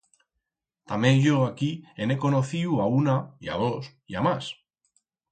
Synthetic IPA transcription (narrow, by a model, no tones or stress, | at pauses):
t̪amẽnʝoakiene̞ko̞noθiuaunaia̰ð̞o̞s | jamas